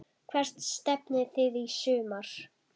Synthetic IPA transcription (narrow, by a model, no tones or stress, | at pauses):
kʰvɛr̥t̪st̪ɛpnɪθɪðisʏːmaɾ̥